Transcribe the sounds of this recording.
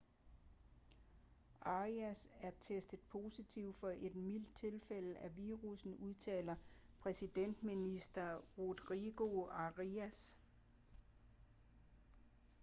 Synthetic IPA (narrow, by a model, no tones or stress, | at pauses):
ʔɑ̈ʁiæsæɐt͡sʰesd̥ð̩ˠpʰo̝sit͡sʰiʊ̰d̥fɒ̽ʔe̝d̥mil̰d̥̚t͡sʰe̝lfel̰əʔæʋiːʁusn̩uðˠt͡sʰɛ̰ːlɐ | pʰʁɛsid̥en̰d̥minisd̥ɐʁud̥ʁiɡ̥o̝ɑʁiæs